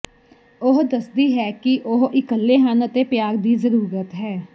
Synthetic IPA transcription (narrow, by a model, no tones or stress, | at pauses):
ʊɦd̪əsd̪iːɦɛːkɪʔʊɦɪkəlːeːɦənət̪eːpjaːɡd̪iːzəɾuːɾət̪ɦɛː